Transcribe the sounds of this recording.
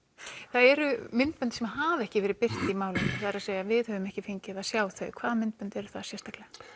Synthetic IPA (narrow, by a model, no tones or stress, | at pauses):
θaðɛɾʏmɪnt̪̚mœnt̪sɛmahaːvɛhcɪvɛːɾɪpɪr̥t̪imaːwlʏmθaðɛɾaðseːjavɪðhœvʏmɛhcɪfɪɲcɪðaðsjaːwθœ̰ɥkʰv̥aːðamɪnt̪̚pœnt̪ɛɾʏ̥θasjɛr̥t̪aklɛa